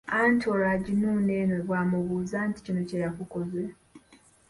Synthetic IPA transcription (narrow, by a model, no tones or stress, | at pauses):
aːntʰioɾaɟinuːne̞ːnoβwaːmuβuːzaːnti̥cino̞cejakukoze